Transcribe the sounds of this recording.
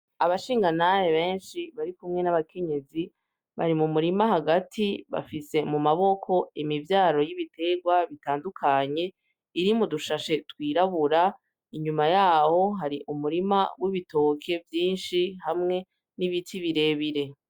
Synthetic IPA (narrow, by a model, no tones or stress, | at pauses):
aβaʃiːŋɡanajeβe̞ːnʃiβaɾikumŋe̞naβakʰe̞ɲe̞zi | βa̰ɾimumuɾimaɦaɡatʰiβa̰fise̞mumaβo̞kʰo̞imivjaːo̞jiβitʰe̞ɡwaβitaːndukʰaɲe̞ | iɾimuduʃaʃe̞twiːɾaβuɾa | iɲumajaːho̞ɦaɾiʔumuɾima̰wiβito̞ːkʰe̞vjiːnʃihamŋe̞ | niβitʰiβiɾe̞βiɾe̞